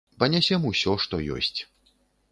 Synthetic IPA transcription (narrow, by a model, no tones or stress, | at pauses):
pɐnʲasʲɛmusʲɔʂt̪ɔjɔ̰sʲt͡sʲ